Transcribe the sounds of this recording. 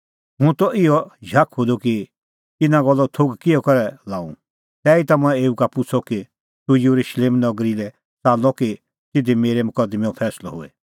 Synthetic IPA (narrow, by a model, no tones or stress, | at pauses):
ɦũt̪ɔʔɪɔd͡ʒʱakʰɦod̪oki | t̪ɪnãɡɔlːɔt̪ʰoɡkɪɔkɐɾɛlaːṵ̃ | t̪ɛːit̪ɐmɛ̃eːukapʊt͡sʰɔki | t̪ujuɾuʃleːmnɔɡɾilɛ | t͡saːlɔki | t̪ɪd̪imeːɾemʊkəd̪meɔ̃pʰɛːslɔ̰ɦo̰ɛ